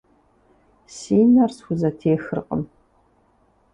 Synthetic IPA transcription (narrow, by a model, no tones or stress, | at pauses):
siːnɐrsxʷʊzɐtʰeːxɨrqʼə̰m